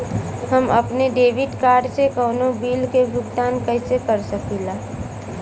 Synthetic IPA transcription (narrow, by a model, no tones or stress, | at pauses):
həməpneɖeːʋɪʈkaːɾɖsekɔːnobiːlkebʱʊɡt̪aːnkəɦɪsekəɾsəkilaː